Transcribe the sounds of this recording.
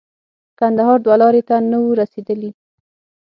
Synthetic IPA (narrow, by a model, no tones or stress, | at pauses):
kand̪aɦɑɾd̪walɑɾet̪anawuɾased̪əli